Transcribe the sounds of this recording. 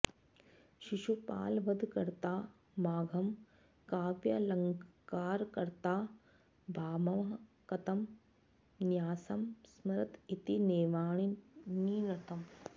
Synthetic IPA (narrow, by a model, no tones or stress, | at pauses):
ʃiʃupa̰ːlʋɐd̪ʱkɐɾt̪aː | maːɡʱɐm | kaːʋjɐlɐŋɡkaːɾkɐɾt̪aː | bʱaːmɐmɐɦɐkɐt̪ɐm | njaːsɐmsmɐɾɐt̪it̪ineːʋaːɳiniːnɐt̪ʰɐm